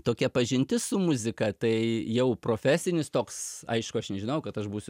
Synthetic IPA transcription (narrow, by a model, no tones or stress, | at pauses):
t̪oːkʲɛpɐʒʲɪnʲt̪ʲɪsʊmʊzʲɪkɐt̪ɐɪjɛʊproːfʲæːsʲɪnʲɪst̪oːksɐ̰ɪʃkʊɐʃnʲɛʒʲɪnɐʊkɐt̪ɐʃbuːsʲʊ